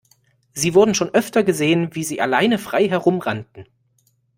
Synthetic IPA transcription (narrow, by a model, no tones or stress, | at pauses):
ziːvʊɐdn̩ʃoːnʔœftɐɡəzeːənviːziːʔalaɪnəfʁ̥aɪɦɛʁʊmʁantn̩